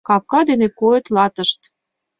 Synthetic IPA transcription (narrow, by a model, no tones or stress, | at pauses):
kɑp̚kɑd̪enekoet̪lɑt̪ə̆ʃt̪